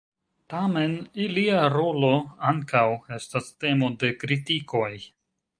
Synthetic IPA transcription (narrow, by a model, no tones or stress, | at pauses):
tame̞niliaɾo̞lo̞aŋkawe̞staste̞mo̞de̞kɾitiko̞j